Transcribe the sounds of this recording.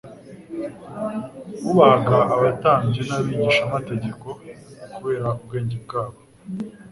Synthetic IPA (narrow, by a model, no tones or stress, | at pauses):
uβaɡaʔaβataːɲd͡ʒenaβiːɲiʃamate̞ɟe̞ko̞kuβe̞ːɾaub̚ɡe̞ːɲɟeb̚ɡaːβo